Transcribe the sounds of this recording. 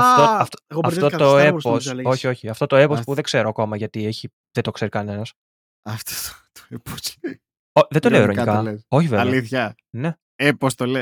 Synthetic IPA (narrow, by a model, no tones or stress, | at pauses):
ɐft̪oɐft̪oɣɐft̪o̞t̪oeposso̞çio̞çiɐft̪o̞t̪o̞e̞pospuðe̞ɡ̥se̞ɾoɐko̞mɐʝɐt̪ieçi | ðet̪o̞kse̞ɾikɐne̞nɐs | ɐft̪o̥t̪t̪o̥epos | oðed̪o̞leoiɾo̞nikɐleso̞çiveɐliθçɐ | ne̞ | epost̪ole